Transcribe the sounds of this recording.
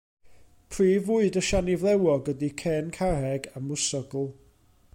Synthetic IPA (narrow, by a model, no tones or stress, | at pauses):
pʰriːvʊɨdəʃanivlˠɛwɔɡədikʰɛːnkʰarɛɡamʊsɔɡlˠ